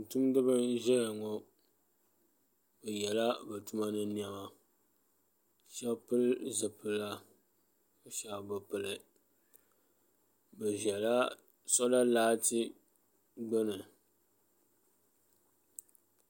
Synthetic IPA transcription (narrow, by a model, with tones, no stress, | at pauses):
n̩˨tu˦mdɨ˦bɨ˦ʒɛ˦la˨ŋɔ˨ | bɛ˨jɛ˨la˦bɨ˨tu˦ma˦nɨ˦ni˦a˦ma˨ | ʃɛ˦bpɨ˦lzɨ˨pɨ˨la˦ | o˨ʃa˦˨bɨ˨pɨ˨lɨ˨ | bɨ˨ʒɛ˨la˦ | sɔ˦la˦laː˦tɨ˦ | ɡ͡bɛ˦nɨ˨